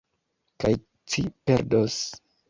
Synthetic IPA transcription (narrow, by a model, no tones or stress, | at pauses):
kaj | t͡ʃipe̞ɾdos